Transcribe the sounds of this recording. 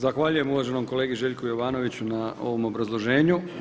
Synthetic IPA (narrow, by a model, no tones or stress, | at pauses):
zaxʋaːʎuje̞muʋaːʒe̞no̞mko̞leːɡiʒe̞ːʎkojo̞ʋaːno̞ʋit͡ɕunao̞̰ʋo̞mo̞bɾazlˠo̞ʒe̞ːɲu